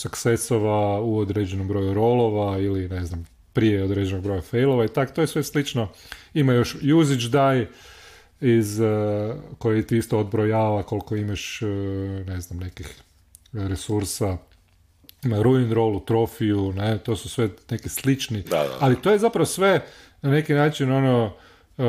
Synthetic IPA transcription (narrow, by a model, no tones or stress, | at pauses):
suksesoʋauod̪ɾed͡ʑenombɾo̞juɾo̞lˠoʋailineznam | pɾijeod̪ɾed͡ʒenoɡ̚bɾo̞jafejlˠoʋait̪ako̥t̪ojesʋe̞slit͡ʃnoimajo̞ʃjuzit͡ʃd̪aj | iz | kojit̪iist̪ood̪̚bɾojaːʋako̞lkoimaʃ | ne̞znamne̞kix | ɾesuɾsa | imaɾuinɾo̞ːlut̪ɾo̞fiunet̪o̞ːsusʋe̞ne̞kislit͡ʃnia̰alit̪oːje̞zapɾaʋosʋe | nane̞kinaːt͡ʃino̞no